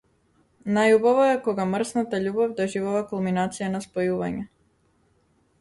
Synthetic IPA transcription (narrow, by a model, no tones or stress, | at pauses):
najuboʋojekoɡamr̩snat̪aʎuːbavd̪aʒiʋoʋakulˠminat̪sijanaspojuːʋa̰ɲe